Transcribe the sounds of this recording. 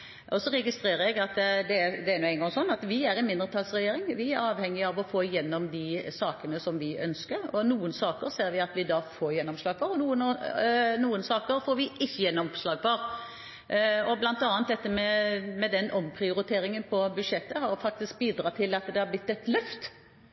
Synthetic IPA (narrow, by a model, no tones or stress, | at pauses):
ʔɔsɔɾɛɡɪst̪ɾeːɾəɛɡɑt̪d̪ɛæd̪ɛæɾnʊːɛɪŋɡɑŋsɔnːɑt̪ʋɪæɾɛnmɪnd̪ɾət̪ʰɑlsɾɛjeːɾɪŋʋɪæɾɑːʋhɛŋːɪɑʋɔfoːɪjɛnːɔmd̪ɪsɑːkənəsɔmʋɪœ̰nskəɾɔnuːənsɑːkəɾseːɾʋɪɑt̪ʋɪd̪ɑfoːɾjɛnːɔmslɑːɡfɑɾɔnuːən | nuːənsɑːkəɾfoːɾʋɪʔɪçːəjɛnːɔmslɑːɡfɔɾ | ɔblɑnt̪ɑːnt̪̚d̪ɛt̪ːəmɛmɛd̪ɛnʔɔmpʰɾɪʊɾɪt̪ʰeːɾɪŋənpʰɔbʉʂɛt̪ːəɦɑɾfɑk̚t̪ɪsk̚biːd̪ɾɑːt̪ʰɪlɑt̪d̪ɛhæblɪt̪ːɛt̪lœft̪